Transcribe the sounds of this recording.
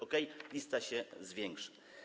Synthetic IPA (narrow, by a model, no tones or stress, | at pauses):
ɔkɛjlʲist̪aɕɛzvʲjɛŋkʂɘ̥